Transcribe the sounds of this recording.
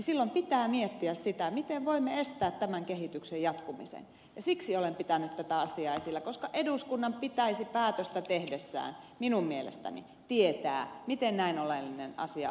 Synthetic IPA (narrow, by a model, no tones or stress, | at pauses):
silːompit̪æːmiet̪ːiæssit̪æmit̪eʋʋoimːeest̪æːt̪tæmæŋkehit̪yksejɑt̪kumḭsḛn | jɑsiksiolempit̪ænyt̪t̪æt̪æɑsiɑesilːækoskɑʔeduskunːɑmpit̪æisipæːt̪øst̪æt̪ehdesːæ̰ːnminummielḛst̪æ̰nḭ | t̪iet̪æ̰ːmit̪ennæinolelːinenɑ̰siɑ̰